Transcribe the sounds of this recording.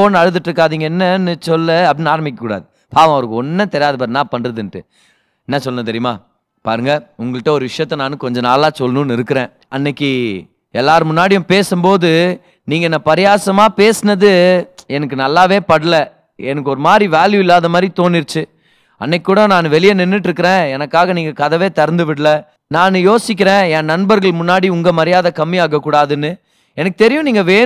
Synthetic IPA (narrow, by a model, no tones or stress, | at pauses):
oːnːɐɻɯðɯʈːɾɯkːaːðiːŋɡɐɛnːɐnːɯsɔlːɐɐpɽɪnaːɾɐmɪkːɐkuːɽa̰ːðɯ | paːʋɐ̃ɐʋɐɾɯkːɔnːɐt̪ɛɾɪjaːðɐp̬aːɾnãːpɐɳɾɐðɯnʈːɯ | ɛnːɐsɔlɐnɐt̪̬ɛɾɪjɐmaː | paːɾɯŋɡɐʊŋɡɐɭɪʈːɐɔɾɯʋɪʂɐjɐt̪ːɐnaːnɯkɔɲd͡ʒɐ̃naːlːaːsɔlːɐnũːnːɪɾɯkːɯɾẽː | ɐnːɐkːi | ɛlːaːɾɯmʊnːaːɽɪjʊ̃peːsɯmboːðɯ | niːŋɡɐɛnːapɐɾɪjaːsɐmaːpeːsɯnɐðɯɛnɐkːɯnɐlːaːʋeːpɐɽɯlɐ | ɛnɐkːɯɔɾɯmaːd̪ɾiʋaːljʊɪlːaːðɐmaːd̪ɾit̪oːnɪɾt͡ʃːɯ | ɐ̰nːɛkʲːuːɽɐnaːnɯʋɛlɪjɐnɛnːɯʈ̬ːɪɾɯkːɪɾẽːɛnɐkːaːɣɐniːŋɡɐkɐðɐʋeːt̪ɐɾnd̪ɯʋɪɽɯlɐ | naːnɯjoːsɪk̬ʲːɪɾẽːɛ̃nnɐnbɐɾɣɐɭmʊnːaːɽiʊŋɡɐmɐɾɪjaːðɐkɐmːɪaːɣɐkːuːɽaːðɯnːɯ | ɛnɐkːɯ̥t̪ɛɾɪjʊ̃niːŋɡɐʋeː